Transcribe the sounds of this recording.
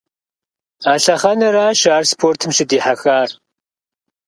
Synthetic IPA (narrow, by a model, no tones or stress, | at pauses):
aːɬɐχɐnɐɾaːʃaːrspʰoːrtʰɨmʃɪdiːħaxaːr